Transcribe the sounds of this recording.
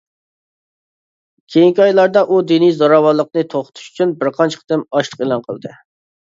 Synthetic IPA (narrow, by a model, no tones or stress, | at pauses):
kʲʰejiŋkʲɑjlˠɑɾd̪ɑʔud̪inizɑɾɑwɑlˠːəq̚nɨt̪ʰoχʊ̥t̪ʰu̥ʃy̥t͡ʃʰynbɪɾqʰɑnt͡ʃʰə̥qʰd̪ɪmɑʃlˠəqelˠɑnqʰəlˠd̪ɨ